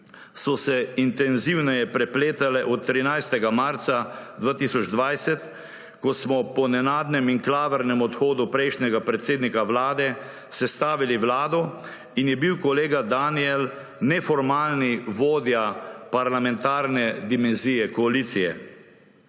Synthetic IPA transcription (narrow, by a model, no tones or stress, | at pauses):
sɔsɛint̪ɛnziwnɛjɛpɾɛpleːt̪alɛʔɔt̪ːɾinajst̪ɛɡamaɾt̪sad̪ʋaːt̪isɔd͡ʒd̪ʋajsɛt̪ | kɔsmɔpɔnɛnaːd̪nɛmiŋklaːʋəɾnɛmɔt̪xoːd̪upɾɛjʃnʲɛɡapɾɛt̪seːd̪nikaʋlaːd̪ɛ | sɛst̪aːʋiliʋlaːd̪ɔ | injɛbiwkɔleːɡad̪aniɛl | nɛfɔɾmaːlniʋoːd̪japaɾlamɛ̃nt̪aːɾnɛd̪imɛnzijɛkɔalit̪sijɛ̰